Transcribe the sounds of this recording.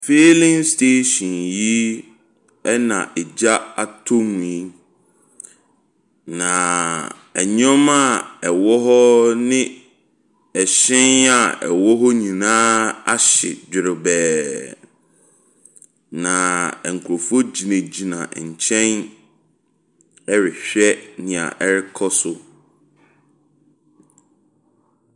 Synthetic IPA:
feː˦lɪ̃˦ŋstʰe˦ɕĩ˨nji˦ | ɛ˦nã̰˨ʔɛ˨d͡ʑa˦a˨tʰo˦m˨i˦ | nã˨ | ɛ̰˨ɲɔ̃˦ma˦˨ɛ˨wɔ˦ɦɔ˦nɪ̃˦ | ɛ˨ɕɪ̃˦na˨ɛ̰˨wɔ˦ɦɔ˦ɲĩ˨nãː˦a˦ɕɪ̰˨d͡ʑᶣɪ˨ɾʊ˨bɛː˨ | nã˨ɛ˨ŋ̩˨kʰu˨ɾo˨fo˦d͡ʑi˨nẽ˨d͡ʑi˨nã˨ɲ̩˨t͡ɕʰɛ̃˦n | ɛ˦ɾɪ˨ɕᶣɛ˦nɪ̃˨a̰˨ʔɛ˦ɾɪ˦kʰɔ˦sʊ˨

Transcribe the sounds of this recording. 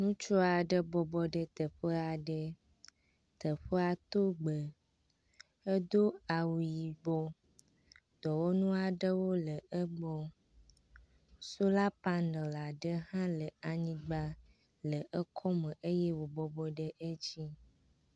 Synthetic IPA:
nũ˦t͡ʃɔ˦a˨ɖə˦bɔ˨bɔ˦ɖə˦t̪ə˨ɸə˦a˨ɖə˦ | t̪ə˨ɸə˦a˨t̪o˦ɡ͡bə˨ | ə˦d̪o˦a˨wu˨ji˨ɡ͡bɔ˦ | d̪̥ɔ˨wo˦nũ˦a˨ɖə˦wo˦lə˨ə˦ɡ͡bɔ˦ | so˦la˦pa˦nɖə˨la˨ɖə˦hã˦lə˨a˨ɲĩ˦ɡ͡ba˦ | lə˨ʔə˦kʰɔ˦mə̃˨ʔə˦jɛ˦wo˨bɔ˨bɔ˦ɖə˦ʔə˦d͡ʑi˦

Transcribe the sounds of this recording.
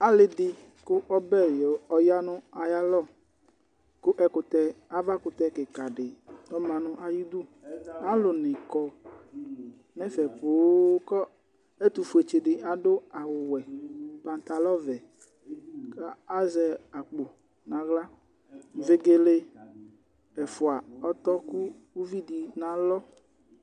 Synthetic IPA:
a˦lɪ˨dɪ˨ | kʊ˦ʔɔ˦bɛ˦˨jɔ˨ɔ˨ja˦nʊ̃˦a˨ja˦lɔ˦˨ | kʊ˦ʔɛ˨kʊ˨t̪ɛ˨˦a˨va˦kʊ˨t̪ɛ˦ke˨ka˨ɖɪ˨ɔ˦mã˨nʊ̃˦ʔa˨ji˦d̪u˦a˦lʊ˨nɪ̃˨kɔ˨ | mɛ̃˦fɛ˨po˨˦kɔ˦ | e˦t̪u˨fu˨e˨t͡ʃe˨ɖɪ˨ʔa˨ɖo˦a˨wʊ˨wɛ˨pã˨n˨t̪a˨lɔ˦vɛ˨ | ka˦a˦zɛ˨a˨k͡po˨ | nã˨ɣla˦ | ve˦ɡe˦le˦ | ɛ˨fʊ˨a˨ɔ˦t̪ɔ˦ku˦ | u˦vi˦di˨nã˨lɔ˦

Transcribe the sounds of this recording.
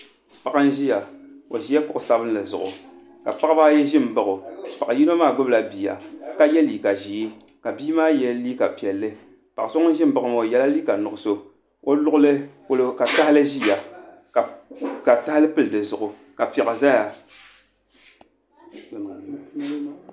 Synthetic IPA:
pa˨ʔa˦n̩˦ʒi˦ja˨o˨ʒi˦ja˦kʊ˦ʔʊ˨sa˦bɨ˦n˦lɨ˨zʊ˨ʔʊ̰˨ | ka˨pa˦kbaː˦jɛ˦ʒɪ˦m˨bɨ˨ɣʊ˨pa˨a˨ji˦no˦maː˦˨ɡ͡bʊ˦bla˨biː˨a̰˨ka˦jɛ˦liː˨ka˨ʒiː˨i˦ | ka˨biː˦maː˦jɛ˦liː˦ka˨pi˨ɛ˨lːɨ˦ | pa˨a˨so˦ŋ˦n˦ʒɪ˦m̩˦bɨ˨kʊ˨m˨o˨jɛ˨la˦liː˦ka˨nʊ˨ʊ˨so˦ | o˦lʊ˦ʔʊ˦lɨ˦ko˦lo˨ka˨ta˦hlɨ˦ʒi˦˨ja˨ | ka˨ta˦hɪ˦lɨ˦pɨ˦ldɨ˨zʊ˨ʔʊ˨ | ka˨pɛ˨a˨za˦ja˨

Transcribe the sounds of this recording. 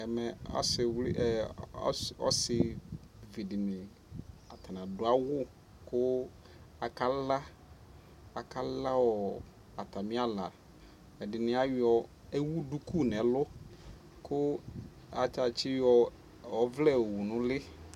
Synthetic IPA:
ɛ˨mɛ˨ɔ̰˦sɪ˨wlɪ̰˦ʔɛ̰˨˦ | ɔ̰˦sɪ˨ | vi˨dɪ˨mlɪ˨ | a˨t̪ʰa˨nã˨dʊ˨a˦wʊ˦ | kʊ˦ | a˨ka˦la˦ | a˨ka˦la˦wɔ˨ | a˨t̪a˨mɪ̃˦a˦la̰˨ | ɛ˨dɪ˨nɪ̃˨˦a˦jɪ˦ɔ˨ | e˦wu˦du˦ku˦˨nɛ˨lʊ˦ | kʊ˦ | a˨t͡ʃa˨t͡ʃɪ˦jɔ˨ | ɔ˨vlɛ˦˨wu˨nʊ̃˦lɪ˦

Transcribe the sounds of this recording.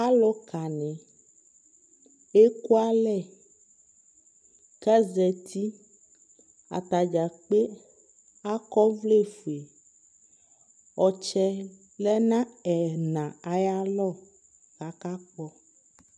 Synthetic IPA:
a˦lɔ˦ka˨nɛ̃˨ | e˦ku˦a˦lɛ˦˨ | kɛ˦zɛ˨t̪ʰi˦ | a̰˨t̪a˨d͡ʒa˨k͡pe˦ | a˦kɔ˦vle˦˨fu˨e˨ | ɔ˨t͡ʃɛ˦ | lɛ˦nã˦ɛ˨nã˨a˨ja˦lɔ˦˨ | ka˨ka˦k͡pɔ˦

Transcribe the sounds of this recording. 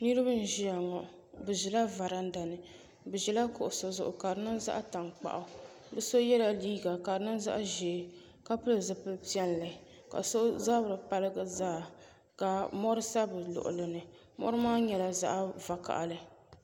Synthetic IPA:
nɨ˦ɾɨ˦bɨ˦n̩˦ʒi˦a˨ŋɔ˨ | bɨ˨ʒɛ˨la˦va˨ɾa˦n˦da˨nɨ˨ | bɨ˨ʒɛ˨la˦kʊ˨ʔʊ˨so˨zʊ˨ʔʊ˨ka˨ɾɨ˨˦nɨ˦nza̰˦ʔa˦ta˨ŋk͡pa̰˨ʔa˨ | bɨ˦so˦jɛ˦la˨liː˦ɡa˨ka˨ɾɨ˨˦nɨ˦n˦za̰˦ʔʒeː˨ | ka˦pɨ˦lɨ˨zɨ˨pɨ˦pi˦ɛ˦nlɨ˨ | ka̰˨so˦za˦bɾɨ˨pa˦lɨ˦ɡa˨zaː˦˨ | ka˨mɔ˦ɾɨ˦sa˦bɨ˨lʊ̰˨ʔʊ̰˨lɨ˨nɨ˨ | mɔ̰˦ɾɨ˦maː˦ɲɛ˨la˨za̰˦ʔva˨ka̰˨ʔlɨ˦˨

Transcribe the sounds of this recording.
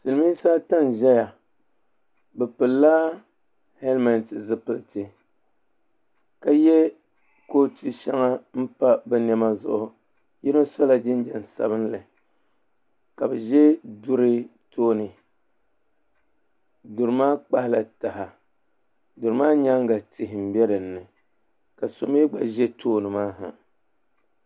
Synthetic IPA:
sɨ˨lɨ˨mi˦saː˦ta˦n˨ʒɛ˦ja˨ | bɛ˨pɨ˨lːa˦ | he˦lma˨ntzɨ˨pɨ˨tɨ˨ | ka˦jɛ˦ | ko˦ti˦ʃɛ˦ŋa˦m̩˦pa˦bɛ˨n˨ɛ˦ma˦zʊ̰˨ʔʊ˨ | jɛ˦no˦sa˦la˨d͡ʒɪ˦n˦d͡ʒɛ˨n˨sa̰˨bɨ˦nlɨ˨ | ka˨bɛ˨ʒɛ˦du˦ɾɨ˦ | tʰoː˦nɨ˨ | dʊ˨ɾɨ˨maː˦k͡pa˦hɪ˦la˨ta˨ɦa˨ | dʊ˨ɾɨ˨maː˦ɲa˦ŋɡa˨tʰɪ˨ɦɪ˨m̩˨˦bɛ˦ɾɨ˨n̩ːɨ˨ | ka˨so˨me˦ɡ͡ba˨ʒɛ˦tʰoː˦nɨ˨maː˦ɦa̰˨

